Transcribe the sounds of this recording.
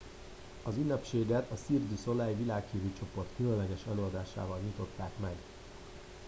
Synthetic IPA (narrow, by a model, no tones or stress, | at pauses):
ɒzynːɛpʃeːɡɛt̪ɒsird̪yso̞laːjivilaːkhivyt͡ʃo̞po̞rt̪kylønlːɛɡɛʃɛløːɒd̪aːʃa̰ːvɒlɲut̪o̞t̪ːaːkmɛɡ